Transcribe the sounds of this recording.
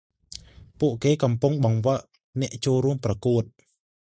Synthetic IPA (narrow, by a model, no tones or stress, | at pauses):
puəʔkeːkɑmpuŋɓɑŋʋəʔ | nɛ̆əʔt͡ɕoːlɾuəmprɑkuət̪̚